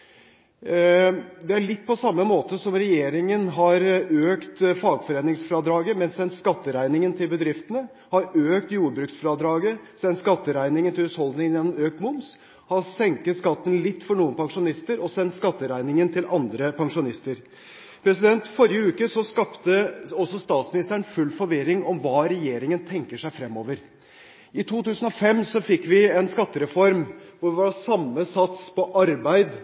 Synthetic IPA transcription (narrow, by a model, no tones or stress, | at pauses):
d̪ɛæɭɪt̪ːpʰɔsɑmːəmoːt̪əsɔmɾɛjeːɾɪŋənɦɑɾøːkt̪fɑːɡfɔɾeːnɪŋsfɾɑːd̪ɾɑːɡəmɛnsɛnt̪skɑt̪ːəɾæɪnɪŋənt̪ʰɪlbəd̪ɾɪft̪ənə | hɑɾøːk̚t̪juːɾbɾʉːksfɾɑːd̪ɾɑːɡəsɛnt̪skɑt̪ːəɾæɪnɪŋənt̪ɪlʉːt̪hɔld̪nɪŋənjɛnːmøːk̚t̪mʊms | hɑsɛŋkət̪skɑt̪ːən̩lɪt̪ːfɔɳuːənpʰɑŋʂʊnɪst̪əɾɔsɛnt̪skɑt̪ːəɾæɪnɪŋənt̪ʰɪlʔɑnd̪ɾəpʰɑŋʂʊnɪst̪əɾ | pʰɾɛsɪd̪ɛnt̪fɔɾɪjəʉːkəsɔskɑpt̪əɔsɔst̪ɑːt̪smɪnɪst̪əɳ̩fʉlfɔɾʋɪɾːɪŋɔmʋɑːɾɛjeːɾɪŋənt̪ʰɛŋkəʂæɪfɾɛmːoːʋəɾ | ɪt̪ʰuːt̪ʉːsən̩ɔfɛmsɔfɪkːʋɪɛnskɑt̪ːəɾɛfɔɾmʋʊɾʋɪʋɑsɑmːəsɑt̪spʰɔʔɑɾbæɪd̪